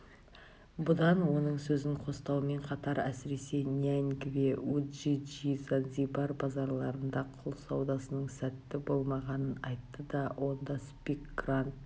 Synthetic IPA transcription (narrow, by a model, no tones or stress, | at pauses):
bʊd̪ɑnwo̞nəɴsɵzɪŋqʰo̞st̪ɑwəme̞ɴqʰɑt̪ɑɾæsɪɾe̞se̞niæŋɡveuʒiʒizanzibɑɾbɑzɑɾlˠɑɾənd̪ɑqʰʊlˠsɑwd̪ɑsənəɴsæt̪ːɪbo̞lˠmɑʁɑnənɑjt̪ːəd̪ɑwʔo̞nd̪ɑspʲikɡrant̪̚